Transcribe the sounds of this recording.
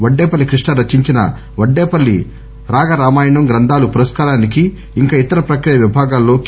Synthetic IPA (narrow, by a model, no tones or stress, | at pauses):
ʋɐɖːeːpɐlːikɾiʂɳɐɾɐt͡ʃːiɲt͡ʃinɐ̰ | ʋɐɖːeːpɐlːḭ | ɾaːɡɐɾaːmaːjɐɳɐmɡɾɐnd̪ʱaːlupuɾɐskaːɾaːnikiː | ŋkaːit̪ɐɾɐpɾɐkɾijɐʋibʱaːɡaːlːo̞ːk